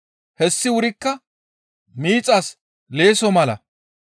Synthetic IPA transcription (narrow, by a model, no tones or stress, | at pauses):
hɛsːɪwʊɾɪkːɐ | miːt͡sʼas | le̞ːsɔmɐlɐ̰